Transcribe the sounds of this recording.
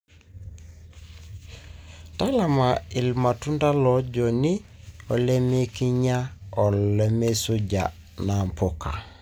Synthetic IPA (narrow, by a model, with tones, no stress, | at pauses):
ta˦la˨ma˨ɪ˨lma˨tu˦nda˦lɔ˦d͡ʒo˨ni˦ | ɔ˨le˦me˦ki˦ɲa˦ɔ˨llɛ˦me˦su˦d͡ʒa̰˨ | na˨m˨po˦ka̰˨